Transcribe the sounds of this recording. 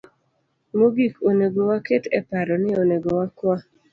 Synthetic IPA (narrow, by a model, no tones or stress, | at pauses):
moɡikoneɡowaketɛpaɾɔnɪoneɡowakwa